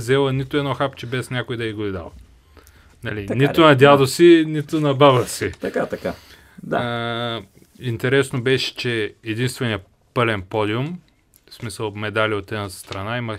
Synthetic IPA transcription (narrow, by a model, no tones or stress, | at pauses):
zɛlˠənit̪ʊɛd̪nɔxapt͡ʃɛbɛsnʲakʊid̪ɐiɡoid̪a̰lˠ | nɐliniʊnɐd̪ʲjad̪osinit̪ʊnɐbabəsit̪ɐkat̪ɐka | d̪a | int̪ɛɾɛsnobɛʃɛ̥t͡ʃɛːd̪inst̪vɛnijə | pɤlɛnpɔd̪ʲiʊm | smisəlˠmɛd̪alʲiot̪ɛnast̪ɾɐnaimɐ